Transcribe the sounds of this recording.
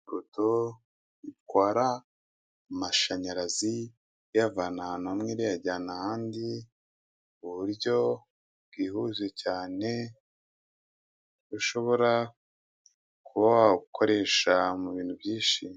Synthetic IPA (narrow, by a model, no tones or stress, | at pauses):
ɾutʰo | itɡwaːɾa | maʃaɲaɾazi | javananamŋeɾijaɟaːnahaːndi | uβuɾɟo̞ | bɡiːhuzwecaːne̞ | ɡuʃo̞βo̞ɾa | kʰuβaaɡukʰo̞ɾe̞ːʃamuβiːn̥hubjiːʃi